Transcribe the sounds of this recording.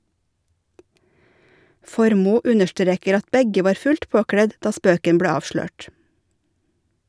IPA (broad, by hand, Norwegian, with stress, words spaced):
ˈfɔɾmuː ˈʉnəʃˌtɾeːkəɾ ˈɑt ˈbɛɡə ˈʋɑːɾ ˈfʉlt ˈpoːkɽɛd ˈdɑː ˈspøːkən ˈbɽeː ˈɑːʋʃløːʈ